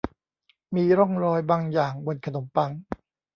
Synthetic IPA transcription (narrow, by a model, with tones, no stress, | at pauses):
miː˧ɾɔ˥˩ŋɾɔː˧jbaː˧ŋjaː˨˩ŋwo˧nkʰa˧no˩˦mpa˧ŋ